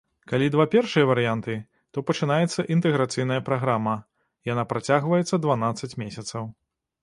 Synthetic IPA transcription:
kalʲid̪vapʲɛrʂɨjɐvɐɾɨjant̪ɨ | t̪ɔpɐt͡ʂɨnajɛt̪sːɐʔint̪ɛɣɾat̪sɨjn̪ɐjɐpɾaɣɾamɐ | janapɾat͡sʲaɣvɐjɛt̪sːɐd̪vanat̪sɐt͡sʲmʲesʲɐt̪sɐw

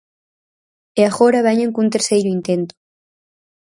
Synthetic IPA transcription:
eaɣoɾaβɛɲẽŋkunt̪eɾsejɾʊint̪ent̪ʊ̥

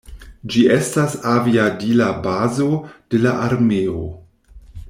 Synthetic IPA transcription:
d͡ʒiestasaviadilabazo̞d̥e̞laʔaɾmeo

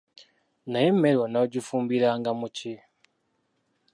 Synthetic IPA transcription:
najemelwanaoɟifuːmbiɾaŋɡamuci

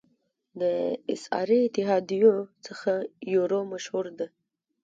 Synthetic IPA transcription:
d̪əɪ̰sɑ̰ɾiɪt̪ɪɦɑd̪ijot͡səxajoɾomaʃhuɾd̪a

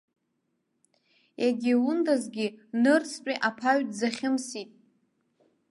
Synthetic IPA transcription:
jaɡʲiwʊndazɡʲinɨrt͡sʰpʷʼiʔapʰaɥtʼzaχʲɪmsitʼ

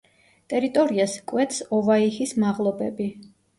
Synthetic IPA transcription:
t̪ʼɛɾit̪ʼɔɾiaskʼwɛt̪ʰsɔvaihismaʁlˠɔbɛbi

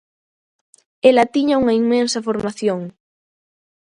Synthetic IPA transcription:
elɐt̪iɲauŋɐiŋmẽnsɐfoɾmaθjoŋ

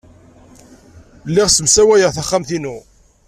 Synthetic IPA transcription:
lːɪʁsəmsæwæjəʁθæχːamθinu

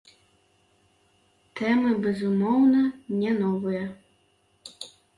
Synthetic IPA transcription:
t̪ɛmɨbʲɛzumɔwnɐnʲɛnɔvɨjɐ

